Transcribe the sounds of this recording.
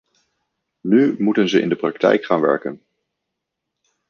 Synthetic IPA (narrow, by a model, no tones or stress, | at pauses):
nymutənzəɪ̰ndəprɑktɛ̰jkχaːnʋɛ̰ɹkən